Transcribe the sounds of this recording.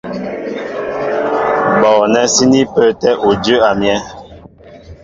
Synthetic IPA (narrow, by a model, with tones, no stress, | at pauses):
ɓɔ˨nɛ˦si˦ni˦pə˦tɛ˦ʔo˨d͡ʒə˦a˨mjɛ˦